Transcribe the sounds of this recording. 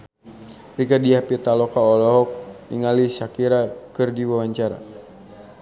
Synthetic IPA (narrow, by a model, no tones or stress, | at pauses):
riɡadiapit̪alɔkaɔlɔɦɔk̚niŋalisakiɾakərdiwawaɲt͡ʃaɾa̰